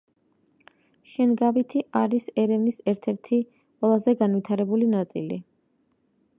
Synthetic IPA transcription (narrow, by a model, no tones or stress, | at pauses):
ʃɛnɡavit̪ʰiʔaɾisɛɾɛvnisɛɾt̪ʰɛɾt̪ʰi | qʼwɛlˠazɛɡanvit̪ʰaɾɛbulinat̪sʼḭlḭ